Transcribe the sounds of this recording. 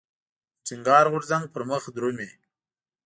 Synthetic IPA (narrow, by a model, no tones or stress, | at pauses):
t͡siŋɡɑːɾɣʊɾzaŋɡ̚pəɾməxd̪ɾome